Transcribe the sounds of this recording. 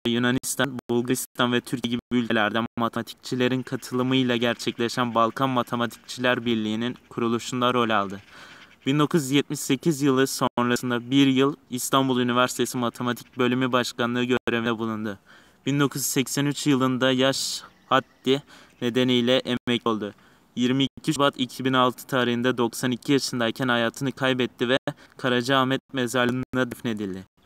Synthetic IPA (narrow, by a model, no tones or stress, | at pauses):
ɛjunanist̪ʰanbulˠɡaɾist̪ʰanvɛt̪ʰyɾcʰɟibibylʲcʰlʲæɾd̪ænmat̪ʰet̪ʰi̥c̚t͡ʃʰilʲe̞ɾinkʰat̪ʰɯlˠɯmɯjlˠaɟæɾt͡ʃʰɛclʲeʃænbalˠkʰanmat̪ʰemat̪ʰi̥c̚t͡ʃʰilʲæɾbiɾlʲijːninkʰuɾulˠuʃund̪aɾo̞lʲalˠd̪ɯb̥ind̪o̞kʰuzjɛt̪̚miʃse̞cʰizjɯlˠɯso̞nɾasɯnd̪abiɾjɯlˠist̪ʰanbulˠynivæɾsi̥t̪ʰe̞simat̪ʰe̞mat̪ʰi̥c̚bø̞lʲymybaʃkanlˠɯɯɟøɾeviɛbulˠund̪ʊ | b̥ind̪o̞kʰuz̥sɛcsænyt͡ʃjɯlˠɯnd̪ajaʃ | hat̪ːine̞d̪e̞nijlʲɛʔɛɛco̞lˠd̪ʊ | jiɾmicʰiʃbat̪ʰicʰibinalˠt̪ʰɯ̥t̪ʰaːɾɯɦɯnd̪ad̪o̞ksanicʰijaʃɯnd̪aijcʰænhajaːt̪ʰɯnɯkʰajbɛt̪ːivɛkʰaɾad͡ʒaːmɛt̪̚mezalʲɯnnd̪ad̪yfne̞d̪ilʲd̪ɪ